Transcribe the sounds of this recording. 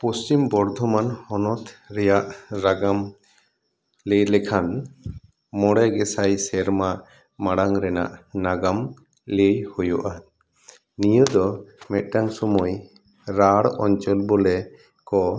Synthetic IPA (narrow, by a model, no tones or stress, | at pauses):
pɔst͡ʃimbɔɾd̪ʱɔmanhɔnɔt̪ɾɛjaʔɾaɡam | lejlɛkʰan | mɔɽɛɡɛsajsɛɾma | maɽaŋɾɛna̰ʔnaɡam | lejhujɔʔa | nijɔd̪ɔmɛt̪̚ˀʈaŋsɔmɔj | ɾaɽɔ̰ɲt͡ʃɔlbɔlɛ | kɔ